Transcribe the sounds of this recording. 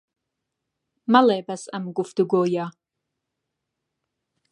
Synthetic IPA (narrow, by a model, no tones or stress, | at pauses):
malejbɐsɐmɡʷʼʊfd̥ɨɡʷoja